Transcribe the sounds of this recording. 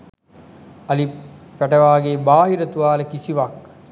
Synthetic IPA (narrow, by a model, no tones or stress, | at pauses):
ɐlipæʈəʋaːɡeːbaːɦiɾət̪uʋaːləkisiʋak̚